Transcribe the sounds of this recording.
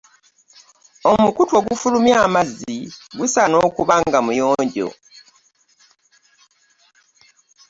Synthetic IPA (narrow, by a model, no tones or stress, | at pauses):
o̞mukutwo̞ɡufulumjaːmazːiɡusano̞ːkuβaŋɡamujoːɲɟo̞̰